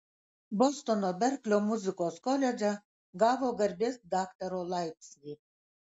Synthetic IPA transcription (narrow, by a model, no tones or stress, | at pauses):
bɔst̪ɔnɔbɛrklʲɔmuzɨkɔskɔlʲɛd͡ʒa | ɡavɔɡɐrbʲesd̪akt̪ɐɾɔlˠajtsjʲi